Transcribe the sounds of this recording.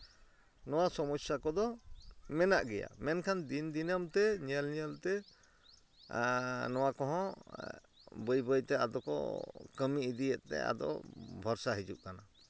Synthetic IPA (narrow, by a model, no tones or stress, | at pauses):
nɔwasɔmɔsjakɔd̪ɔmɛnaʔɡɛja̰mɛnkʰand̪ind̪inəmt̪ɛɲɛlɲɛlt̪ɛ | nɔwakɔɦɔ̃ | bəjbəjt̪ɛa̰d̪ɔkɔ̰kəmiid̪ijɛʔ̪t̪ɛ̰a̰d̪ɔ̰bʱɔɾsaɦid͡ʒuʔ̚kana